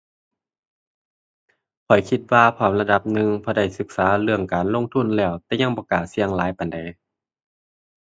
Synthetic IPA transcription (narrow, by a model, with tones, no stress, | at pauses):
pʰɔ˨˩jkʰi˧t̪̚waː˧pʰɔː˧˩˦mla˧da˧p̚nɯ˧ŋpʰɔː˧da˧˩jsɯ˧˦k̚saː˨˦lɯ˧˩əŋkaː˨˩nlo˧˥˨ŋt̪ʰu˧˥˨nlɛː˧˩wt̪ɛː˧˩ɲa˧˥˨ŋbɔː˧˦kaː˨˩si˧əŋlaː˨˦jpa˨˩jnda˨˩j